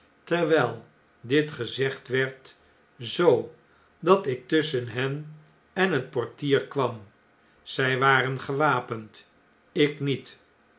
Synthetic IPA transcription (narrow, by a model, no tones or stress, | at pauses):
tɛɹʋɛlˠ | dɪtχəzɛχtʋɛɹt | zow | dɑtɪk̚tʏsənɦɛn | ɛnɦət̚pɔɹtiːɹkʋɑm | z̥ɛjʋaːɾənχəʋaːpənt | ɪknit